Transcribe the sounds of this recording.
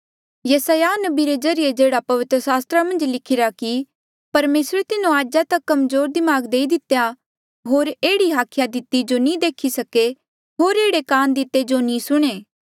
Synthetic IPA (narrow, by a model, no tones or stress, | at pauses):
jɐsaːjanɐbiɾezɐɾɪjed͡ʒeːɽapɐʋɪt̪ɾəsaːst̪ɾamɐ̃nd͡ʒlɪkʰɪɾaki | pɐɾmeːsɾet̪ɪnõaːd͡ʒat̪ɐkːɐmzoːɾd̪ɪmaːɡd̪eːid̪ɪt̪ːja | ɦoːɾeːɽiɦaːkʰjad̪ɪt̪ːid͡ʒonĩd̪eːkʰisɐke | ɦoːɾeːɽekaːnd̪ɪt̪ːed͡ʒonĩsʊɽ̃eː